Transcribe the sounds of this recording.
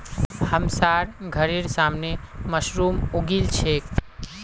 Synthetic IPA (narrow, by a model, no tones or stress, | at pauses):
həmsaɾɡʱəɾeɾsamneməsɾumoɡilt͡ʃʰek